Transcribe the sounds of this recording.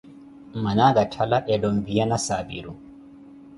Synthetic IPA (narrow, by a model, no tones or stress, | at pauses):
manaɡatʰalaʔɛdɔnvijanasaːbḭɾu